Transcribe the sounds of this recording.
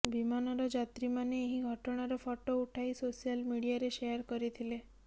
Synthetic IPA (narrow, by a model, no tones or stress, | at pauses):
bimanɔɾɔd͡ʒat̪ɾimaneːɦiɡʱɔʈɔɽ̃aɾɔpʰɔʈouʈʰajsosialmiɽijaɾeʃejaɾkɔɾit̪ʰile